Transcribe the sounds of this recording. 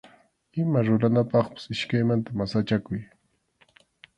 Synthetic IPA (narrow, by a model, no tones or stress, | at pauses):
ɪmaɾʊɾanapɑχpḁsɪʃkajmant̪amasat͡ʃakʊj